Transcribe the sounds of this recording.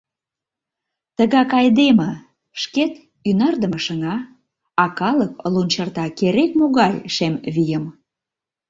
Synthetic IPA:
t̪əɣɑkɑjd̪emə | ʃket̪ | ynɑrd̪əməʃənɑ | ɑkɑləklunʲt͡ɕərt̪ɑkeɾek̚moɣɑjʃemβijəm

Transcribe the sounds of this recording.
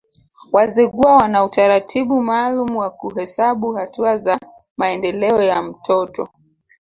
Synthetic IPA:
wazɛɠuawanautaɾatʰiɓumaːlumuwakuɦɛsaɓuhatuaza | maɛndɛlɛɔjam̩tʰɔtɔ

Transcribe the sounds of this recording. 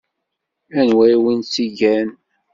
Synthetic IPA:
ænwæjwinsiʝæn

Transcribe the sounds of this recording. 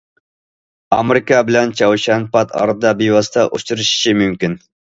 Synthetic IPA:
ɑ̰meɾɪkɑbɪlɛnt͡ʃʰɑwʃɛnpɑt̪ʰɑ̰ɾɨd̪ɑbiwɑsɨt̪ʰɑʔo̰t͡ʃuɾɨʃi̥ʃimymkʲin

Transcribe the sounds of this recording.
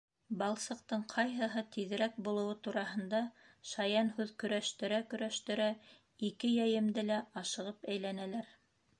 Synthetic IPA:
bɑlˠsɤ̆q̚t̪ɤɴqʰɑjɦɤ̆ɦɤt̪iðɘ̆ɾæk̚bulˠɤ̆wɤt̪uɾɑɦɤ̆nd̪ɑ | ʃɑjɑnhʉðkɵ̆ɾæʃt̪ɘ̆ɾækɵ̆ɾæʃt̪ɘ̆ɾæ | ikɘjæjɘ̆md̪ɘlæɑʃɤ̆ʁɤpæjlænælæɾ

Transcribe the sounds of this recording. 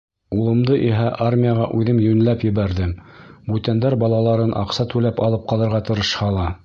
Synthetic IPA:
ulˠɤ̆md̪ɤʔiɦæʔarmʲijaʁɑʔʉðɘmjɵ̆nɘ̆læpjɘ̆βæɾðɘmbʉt̪ænd̪æɾbɑlˠɑlˠɑɾɤnʔɑ̰qsɑt̪ʉlæpɑlˠɤp̚qɑlˠɤ̆ɾʁɑt̪ɤ̆ɾɤ̆ʃhɑlˠɑ

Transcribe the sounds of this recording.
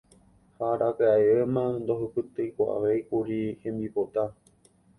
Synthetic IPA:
haɾʔakeaeemãnd̪o̞ɦɨpɨt̪ɨjkʷaʔa̰ʋe̞jkuɾihẽ̞mbipot̪a

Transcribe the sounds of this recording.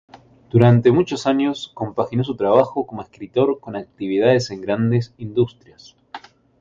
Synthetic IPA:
d̪̥uɾant̪e̞mut͡ʃo̞saɲjosko̞mpaxino̞s̬ut̪ɾaβ̞axoko̞moeskɾit̪o̞ɾko̞nak̚t̪iβ̞ið̞að̞ese̞ŋɡɾand̪e̞sind̪ust̪ɾjas

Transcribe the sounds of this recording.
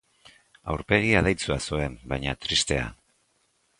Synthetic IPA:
a̰wɾpe̞ɣ̞iaðajt͡suasue̞mbajɲat̪ɾist̪e̞a̰

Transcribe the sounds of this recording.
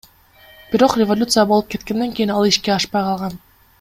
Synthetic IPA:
b̥iɾo̞qrʲɪvolʲut̪sɨjabolˠup̚ke̞t̪̚ke̞nd̪e̞ŋkʲijinɑlˠiʃke̞ɑʃpɑjqʰɑlˠʁɑn

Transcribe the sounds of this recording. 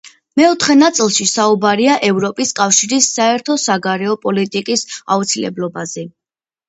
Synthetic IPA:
mɛɔt̪ʰχɛnat̪sʼilˠʃisaubaɾiaʔɛvɾɔpʼiskʼafʃiɾisːaɛɾt̪ʰɔsaɡaɾɛɔpʼɔlit̪ʼikʼisa̰ut̪sʰilɛ̰blˠɔbazɛ

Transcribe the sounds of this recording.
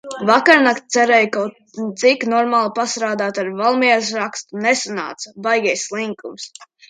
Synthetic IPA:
vakaɾnakt̪̚t̪sɛɾɛjkawt̪ | t̪siknɔɾmaːlˠpast̪ɾaːd̪aːt̪aɾvalˠmiɛɾs̬ɾakst̪unesana̰ːt̪sabajɡʲɛjslˠiŋkums

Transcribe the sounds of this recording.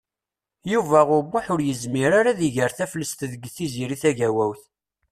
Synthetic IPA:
juvæʁʊɾbʊħʊɾjəzmiɾaɾaðiʝəɾθæfləst̪ðəɡːθiziɾiθæʝæwæwθ

